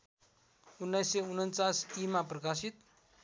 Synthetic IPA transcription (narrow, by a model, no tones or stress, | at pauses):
unːajsːeunənt͡sasimaprʌkasit̪̚